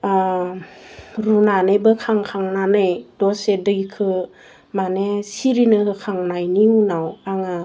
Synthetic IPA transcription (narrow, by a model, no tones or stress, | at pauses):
a | ɾunanebɯkʰaŋkʰaŋnanɯjdɔsedɯikʰɯ | manesiɾinɯhɯkʰaŋnajniunawaŋa